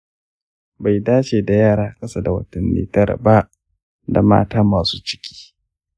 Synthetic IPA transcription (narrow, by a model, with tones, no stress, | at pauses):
ba˨jdaː˦t͡ʃeː˨da˨jaː˦˨ɽaː˦˨kʼɐ˦sa˦da˨wɐ̰˦tɐ˨nːḛː˦tɐ˦ɾɐ̰˨ba˦ʔ | da̰˨ma̰ː˦taː˦maː˨suː˦t͡ʃɪ̥˦kʲʰi̥ː˦